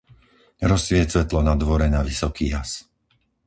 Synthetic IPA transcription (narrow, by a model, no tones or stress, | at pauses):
ɾɔsʋɪɛt͡sʋɛt̪lɔnad̪ʋɔɾɛnaʋisɔkiːɦas